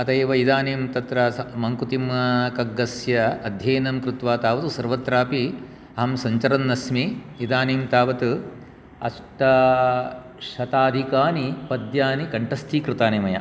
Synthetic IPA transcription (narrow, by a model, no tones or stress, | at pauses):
ɐt̪ɐjʋɐid̪aːneːmt̪ɐt̪ɾɐɐmɐŋkut̪imɐkɐɡːɐsjɐɐd̪ʱjɐːnɐmkɾut̪ʋaːt̪aːʋɐt̪usɐɾʋɐt̪ɾaːpi | ɐɦɐmsɐɲt͡ʃɐɾɐnːɐsmi | id̪aːniːmt̪aːʋɐt̪u | ɐsʈɐ | ʃɐt̪aːd̪ʱikaːnipɐd̪jaːnikɐɳʈɐst̪ʰiːkɾɪt̪aːnimɐjɐ̰